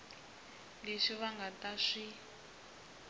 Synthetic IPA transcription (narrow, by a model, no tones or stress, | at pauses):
leʂiβaŋɡataʂi